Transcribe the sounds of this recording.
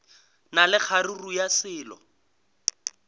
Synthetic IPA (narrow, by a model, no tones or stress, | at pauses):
nalɪk͡xʰarirujasɪːlɔ̰